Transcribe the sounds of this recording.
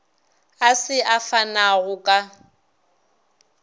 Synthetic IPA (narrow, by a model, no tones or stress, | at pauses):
asɪʔafanaɣʊkʼa